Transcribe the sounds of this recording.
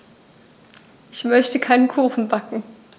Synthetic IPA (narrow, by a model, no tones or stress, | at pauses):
ʔɪçmœçtəkʰaɪnənkʰuːxn̩bakŋ̩